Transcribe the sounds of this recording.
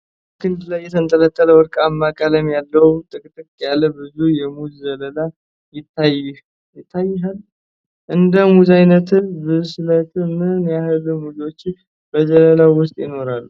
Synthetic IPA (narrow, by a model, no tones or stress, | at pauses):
kʰɨnd̪lajːɛt̪ʰənt̪ʼələt̪ʰːələwɔɾkʼamːakʼaləmjalːəwt̪ʼɨkʼt̪ʼɨkʼjalːəbɨzujɛmuzzələla | jɪt̪ʰːaj | jɪt̪ʰːajːɛɦal | ʔɨnd̪əmuzajnət̪ʰɨnbɨzslət̪ʰɨmɨnjahɨlumuziwot͡ʃːɪ | b̥əzələlawʊst̪ʼjɪno̞ɾalːu